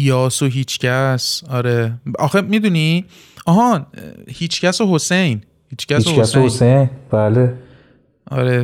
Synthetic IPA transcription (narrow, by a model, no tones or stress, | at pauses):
jɒːsoɦiːt͡ʃʰcʰæsɒːɾeɒ̰xemid̪uni | ʔɒːɦɒhiːt͡ʃʰcæsoɦosejn | hiːt͡ʃcæihoæsohosejnb̥æːle | ʔɒ̰ːɾe